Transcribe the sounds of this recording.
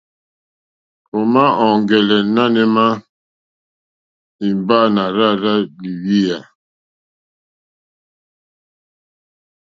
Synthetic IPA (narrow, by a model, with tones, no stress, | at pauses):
o˨ma˦ɔ˨ŋ˨ɡɛ˨lɛ˨˦na˦nɛ˦ma˦ | i˨mba˦˨na˨ɾa˦ɾa˦li˨wi˦ja˨